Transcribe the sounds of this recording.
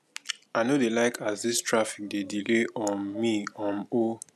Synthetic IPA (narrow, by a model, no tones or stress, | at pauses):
aɪnodelaɪkʰazdistʰɹafik̚dedileʔɔ̃nmiɔ̃no